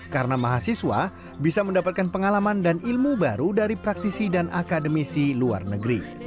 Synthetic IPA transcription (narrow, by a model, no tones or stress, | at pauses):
kaɾənamaɦasiswa̰ | bisaməndapat̪̚kanpəŋalamandanilmubaɾudaɾipɾak̚t̪isidanʔakadəmisilua̰rnəɡɾi